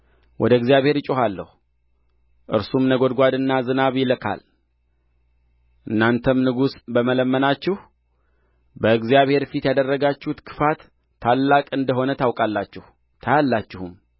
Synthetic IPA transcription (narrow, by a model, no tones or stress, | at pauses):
wʔɔd̪əɨɡzijaβhe̞ɾt͡ʃʼoɦalːə̰hu | ʔɨ̰ɾsumnəɡod̪ɡʷad̪ɨnːazɨnaβjɪləkʰa̰l | ʔɨnːant̪ʰəmnɨɡusbəmələmːənat͡ʃːɪh | bəɨɡzijaβhe̞ɾfit̪jad̪ərːəɡat͡ʃːɪhut̪kʰɨ̥fat̪ʰː | alːakʼɨnd̪əɦo̞nət̪ʰawkʼalːat͡ʃːɪhu | t̪ʰajalːat͡ʃːɪhum